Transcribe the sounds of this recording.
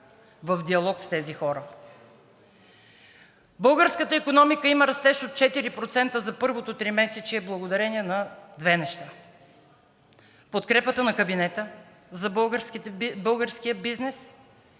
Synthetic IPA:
vɐfd̪iɐlˠɔkst̪ɛzixɔɾə | bɤlˠɡəɾskət̪əikonɔmikəiməɾɐst̪ɛʃot̪̚t͡ʃɛt̪iɾipɾot̪sɛnt̪əzɐpɤɾvot̪ot̪ɾimɛsɛt͡ʃiɛblˠəɡod̪ɐɾɛniɛnɐd̪vɛnɛʃt̪a | pot̪kɾɛpət̪ənɐkɐbinɛt̪ə | zɐbˠɡɾskibɤlˠɡəɾskijəbiznɛs

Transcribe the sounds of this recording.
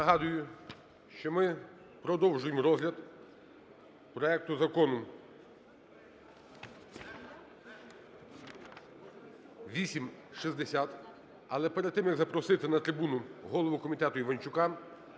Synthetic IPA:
nɐɦɑd̪ʊjʊ | ʃt͡ʃɔmɪ | pɾɔd̪ɔwʒʊjemɾɔzɦlʲɐd̪ | pɾɔɛk̚t̪ʊzɐkɔnʊ | ʋʲisʲimʃizd̪esʲat̪ | ɐlˠɛpeɾed̪̚t̪ɪmjɐɡzɐpɾɔsɪt̪ɪnɐt̪ɾɪbunʊɦɔlˠɔʋʊkɔmʲit̪ɛt̪ʊiʋɐnʲt͡ʃʊkɑm

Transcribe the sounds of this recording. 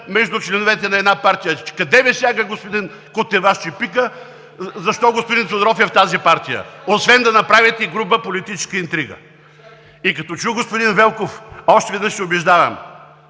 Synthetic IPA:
mɛʒd̪ʊt͡ʃlɛnovɛt̪ɛnɐɛd̪napaɾt̪ijəkɐd̪ɛvɛsʲjaɡəɡospod̪in | kot̪ɛvaʃt͡ʃipikə | zɐʃt̪ɔɡospʊd̪insod̪ɾɔfɛft̪azipaɾt̪ijə̰osvɛnd̪ɐnɐpɾavit̪iɡɾubəpolit̪it͡ʃɛ̥skəint̪ɾiɡə̰ | ikɐt̪ɔt͡ʃuɡospʊd̪invɛlˠkofɔʃt̪ɛvɛd̪nəʃsɛobɛʒd̪avɐ̰m

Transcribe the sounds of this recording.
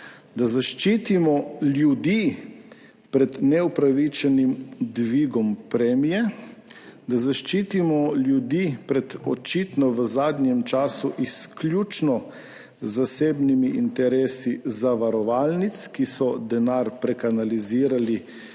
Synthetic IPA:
d̪azaʃt͡ʃiːt̪imɔljud̪iː | pɾɛd̪nɛupɾaʋit͡ʃɛnimd̪ʋiːɡɔmpɾɛmijɛ | d̪azaʃt͡ʃiːt̪imɔljud̪iːpɾɛd̪ɔt͡ʃit̪nɔʋəzaːd̪njɛmt͡ʃaːsuʔiskljuːt͡ʃnɔ | zaseːbnimiʔint̪ɛɾeːsizaʋaɾɔʋaːlnit̪skisɔd̪ɛnaɾpɾɛkanaliziːɾali

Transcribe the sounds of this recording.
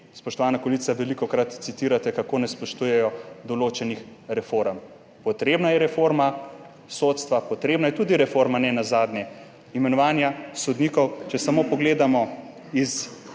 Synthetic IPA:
spɔʃt̪ɔʋaːnakolit̪saʋɛlikɔkɾat̪sit̪iːɾat̪ɛkakoːnɛspɔʃt̪ujɛjɔd̪ɔloːt͡ʃɛnixɾɛfoɾəm | pɔt̪ɾeːbnajɛɾɛfoɾma | soːt̪st̪ʋapɔt̪ɾeːbnajɛt̪uːd̪iɾɛfoɾmanɛnazaːd̪nʲɛ | imɛnɔʋaːnjasɔd̪niːkɔwt͡ʃɛsamopɔɡleːd̪amɔ | is

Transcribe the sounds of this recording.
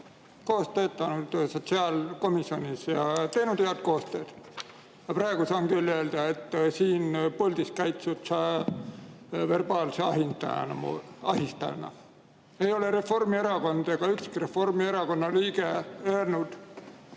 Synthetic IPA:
ko̞ːst̪øːt̪ːˑɑnud̪̥so̞t̪siɑːlko̞misio̞nʲisjɑt̪e̞jnud̪̥eɑt̪̚ko̞ːst̪ø̞ːd̪̥ | jɑprɑeɡ̥usonkylʲːeːld̪̥ɑe̞t̪ːsiːnpolʲd̪̥iskæjt̪sut̪sɑ | ve̞rb̥ɑːlseɑɦint̪ɑ̰ɑ̰nɑ̰mo̰ɑɦist̪ɑ̰nɑ̰ | e̞jo̞le̞ɾe̞fo̞rmieɾɑko̞nd̪̥ɑɡ̥ɑykskiɾe̞fo̞rmie̞ɾɑko̞nːɑliːɡeøːrnud̪̥

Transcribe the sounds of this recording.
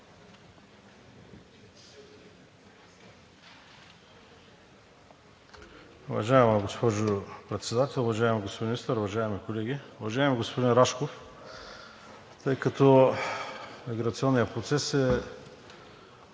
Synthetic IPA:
uvɐ̰ʒaɛmɐɡospɔʒopɾɛt̪sɛd̪at̪ɛlˠʊvɐʒaɛmɛɡospod̪inist̪əɾʊvɐʒaɛmikolɛɡiʊvɐʒaɛmɛɡospod̪inɾaʃkof | t̪ɤjkɐt̪o | miɡɾɐt̪siɔnːijəpɾot̪sɛsɛ

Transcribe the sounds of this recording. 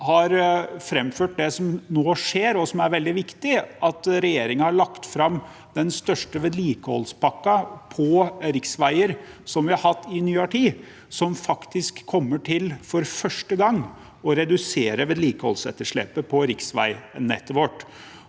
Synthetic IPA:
hɑɾfɾɛmføːʈ̚d̪ɛsɔmnoːʂeːɾɔsɔmæɾʋɛld̪ɪʋɪkt̪ɪʔɑt̪ɾɛjeːɾɪŋəhɑɭɑkt̪fɾɑm | d̪ɛnst̪œʂʈəʋeːd̪liːkəhɔ̰lspɑkːɑpʰɔɾɪksʋæɪəɾsɔmʋɪhɑɾhɑt̪ːɪnyːɑʈʰiː | sɔmfɑkt̪ɪskʰːɔmːəʈʰɪlfɔɾfœʂʈəɡɑŋː | ɔɾɛd̪ʉseːɾəʋeːd̪liːkəhɔ̰lsɛ̰t̪ːəʂɭɛ̰pːəpʰɔɾɪksʋæ̰ɪnɛ̰t̪ːɔʋɔʈː

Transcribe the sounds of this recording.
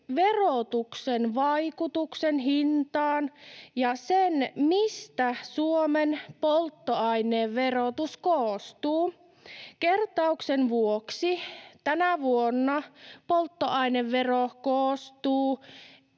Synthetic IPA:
ʋerot̪uksenʋɑjkut̪uksenɦint̪ɑːnjɑsenmist̪æsuomenpolt̪ːoɑjneːʋːerot̪uskoːst̪uː | kert̪ɑuksenʋuoksit̪ænæʋuonːɑpolt̪ːoɑineʋːerokoːst̪uː

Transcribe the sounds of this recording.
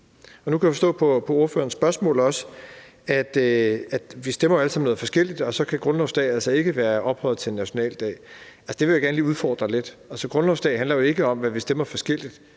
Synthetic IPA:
ɒnukʰæjafɒsdɔ̰̽ːpʰɒ̽pʰɒ̽o̝ɐfø̰ːɐnsb̥ɶɐsmɔ̰̽ːlɒ̽sə̥ | æd̥øæd̥ʋisd̥emɐjoæl̰sɑ̈mnɔð̩ˠfɒ̽sɡ̥el̰id̥ɒ̽sɒ̽kʰæɡ̥ʁɔ̽nlɒʊsd̥ɛ̰ːælsɐe̝ɡ̥əʋæːɐʔɒ̽b̥hɒ̽ɪð̩ˠt͡sʰe̝nːæɕo̝nɛ̰ːld̥ɛ̰ːælsə̥d̥e̝ʋe̝jaɡ̥æɐnəliːuðˠfɒ̰ːd̥ʁɐle̝d̥ælsɒɡ̥ʁɔ̽nlɒʊsd̥ɛ̰ːɦændlɐjo̝e̝ɡ̥əɒ̽mʋæʋisd̥emɐfɒ̽sɡ̥el̰id̥

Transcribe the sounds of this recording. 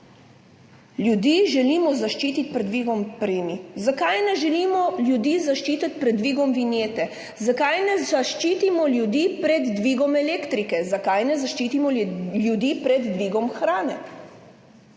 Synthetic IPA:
ljud̪iːʒɛliːmɔzaʃt͡ʃiːt̪it̪ʲpɾɛd̪ʋiːɡɔmpɾeːmizakajnɛʒɛliːmɔljud̪iːzaʃt͡ʃiːt̪at̪ʲpɾɛd̪ːʋiːɡɔmʋinjeːt̪ɛ | zakajnɛzaʃt͡ʃiːt̪imɔljud̪iːpɾɛd̪ːʋiːɡɔmɛleːkt̪ɾikɛzakajnɛzaʃt͡ʃiːt̪imɔljud̪iːpɾɛd̪ːʋiːɡɔmxɾaːnɛ

